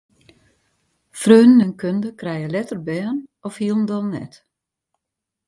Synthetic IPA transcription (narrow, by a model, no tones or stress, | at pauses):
frøːnənənkʰøndəkrɛjəlɛtərbɛːnɔfhiəlˠn̩dɔlˠnɛ̰t